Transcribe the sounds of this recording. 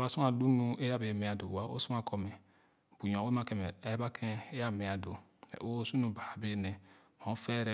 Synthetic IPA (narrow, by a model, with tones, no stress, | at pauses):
ba˨su˦a˨du˦nu˦e˦ja˦be˨me˨a˨do˨a˨˦ʔo̰˦su˦ma˨kʰo˨me˨ | bu˨ɲ˨õ˨˦e˦ma˦ke˨m˨e˦ba˦kʰe˦e˦ja˦˨me˨a˨do˨ | nḛ˨ʔo˦su˦nu˨ba˨be˦ne˨mo˨˦fe˦ɾe˦˨